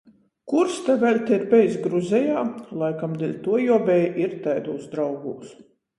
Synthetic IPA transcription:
kuɾst̪ɛvʲɛlʲt̪ʲeiɾbʲɛjsɡɾuzʲɛjaːlˠajkamd̪ʲilʲt̪uɔjuɔbʲɛjʔiɾt̪ajd̪uːzd̪ɾawɡuːs

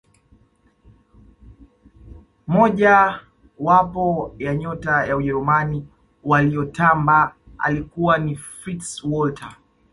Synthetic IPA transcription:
mɔʄa | wapɔjaɲɔtajauʄɛɾumani | waliɔtamba | a̰likuwanifɾitswɔltʰa

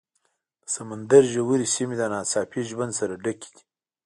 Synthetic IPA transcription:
samand̪aɾʒəwuɾisimid̪anɑsɑːpiʒband̪saɾaɖaki̥d̪i̥

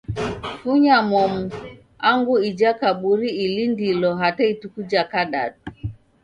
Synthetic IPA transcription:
fuɲamɔmu | aŋɡuid͡ʒakaɓuɾiilindilɔɦataitukud͡ʒakaɗa̰tu

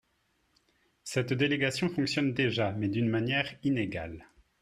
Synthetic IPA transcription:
sɛt̪d̪eleɡasjɔ̃fɔ̃ksjɔnd̪eʒamɛd̪ynmanjɛʁineɡa̰l

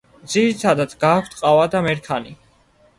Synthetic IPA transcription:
d̪ziɾit̪ʰad̪at̪sɡaːkʷʰt̪ʼqʼavad̪amɛɾkʰani

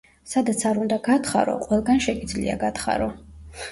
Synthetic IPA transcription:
sad̪at̪sʰaɾund̪aɡat̪χa̰ɾɔ̰qʼwɛlˠɡanʃɛɡid̪zlḭa̰ɡat̪χa̰ɾɔ

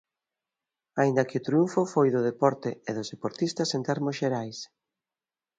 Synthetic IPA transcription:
aind̪ɐkɪʊt̪ɾiuɱfʊfojðʊð̞epɔɾt̪eeðʊzðepoɾt̪ist̪ɐsent̪ɛɾmʊsʃeɾajs

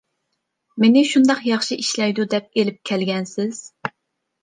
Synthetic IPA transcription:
menɪʃund̪ɑqjɑχʃiʔiʃlɛjd̪ud̪ɛp̚elɪp̚kʲʰɛlɡʲɛnsɪz̥

